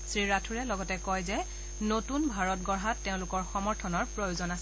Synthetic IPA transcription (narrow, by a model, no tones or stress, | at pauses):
sɹiɹatʰuɹɛlɔɡɔtɛkɔjzɛ | notunbʱaɹɔt̚ɡɔɹɦatːeʊ̃lʊkɔɹxɔmɔɹtʰɔnɔɹpɹojozɔnas